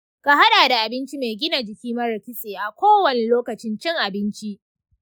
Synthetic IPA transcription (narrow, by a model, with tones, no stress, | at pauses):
ka˨ɦa˦ɗaː˨da˨ʔa˨bɪ˦nt͡ʃi˦me˨ɡʲɪ˦na˨d͡ʒɪ˨kʲiː˦mɐ˦ɾɐ˨kʲɪ˦seː˨ʔa˨kʷoː˦wɐ˨ne˨loː˦kɐ˨t͡ʃɪ˦nt͡ʃɪ˦ŋʔa˨bɪ˦nt͡ʃi˦ʔ